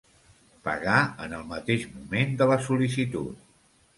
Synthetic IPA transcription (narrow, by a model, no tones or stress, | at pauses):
pə̰ɣaənəlˠmət̪eʒmumend̪ələsulis̬it̪ṵt̪̚